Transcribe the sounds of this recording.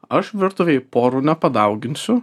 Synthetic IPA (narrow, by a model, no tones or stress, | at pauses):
ɐʃʋʲɪɾt̪ʊʋʲejpoːɾuːnʲɛpɐd̪ɐʊɡʲɪnʲsʲʊ